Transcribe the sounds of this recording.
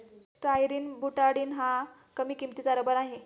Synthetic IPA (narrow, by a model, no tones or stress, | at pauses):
ʈɾajɾiːnbuʈaɽiːnɦã | kəmiːkimt̪it͡saɾəbəɾaɦe